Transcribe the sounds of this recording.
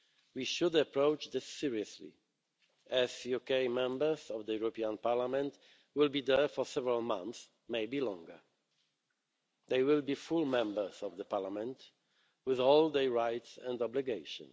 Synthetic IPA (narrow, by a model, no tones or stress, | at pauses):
wiʃʊdəpɹoʊt͡ʃðɪsːɪɹiəslḭ | ʔæzjukeɪmɛ̃mbə˞zɔvd̪əjuɹɔpiãnpaɹlamɛ̃nt | wɪlˠbid̪ɛ˞fɔ˞sɛvəɹalˠmã̰nθs | meɪbilɔ̃ŋɡə̰˞ | ðeɪwɪlˠbifulmɛ̃mbə˞zɔvðəpaɹlamɛ̃nt | wɪðɔlˠd̪ɛɹaɪtsɛ̰̃ndɔbliɡeɪʃə̰̃n